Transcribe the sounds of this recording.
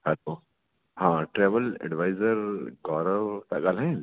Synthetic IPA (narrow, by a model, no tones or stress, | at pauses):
hɛloː | hãːʈɾɛːʋəlɛ̰ɖʋaːɪzəɾɡɔːɾəʋt̪ɐɡalɦɛ̃ː